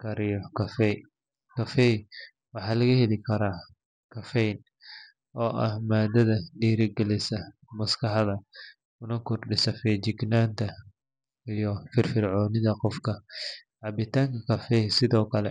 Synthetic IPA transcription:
kʰɐɾɪjɔkʰɐfɛj | kʰɐfɛj | wɑħɑːlɐɣɐhɛlɪkʰɐɾaː | kʰɐfɛjn | ɔːʔɐhmaːd̪ɐðɐɖiːɾɪɡɛlɪsɐ | mɐskʰɑħðɐ | kʊnɐkʰʊrɖɪsɐfɛt͡ʃɪɡnaːnt̪ʰɐ | ijɔfɪrfɪrʕɔːnɪðɐqɔfkʰɐʕɑbɪt̪ʰaːŋkʰɐkʰɐfɛjsɪðɔːkʰɐlɛ

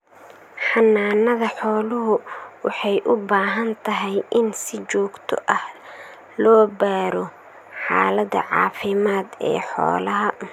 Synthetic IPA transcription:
ħɑnːaːnːɐðɐħɔːlʊɦʊwɑħɑjʔʊbaːɦɐnt̪ʰɐɦɛjʔɪnsɪt͡ʃɔːɡt̪ʰɔ̰ʔɐh | lɔːbaːɾɔ | ħɑa̰ːlɐd̪ɐ̰ʕɑ̰ːfɪmaːd̪ɛ̰ːħɔ̰ːlɐɦɐ

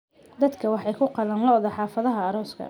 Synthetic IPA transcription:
d̪ɐd̪kʰɐwɑħɑjkʰʊqɑlɐnlɔðɔħɑːfɐðɐɦɐːɾɔːskʰɐ̰

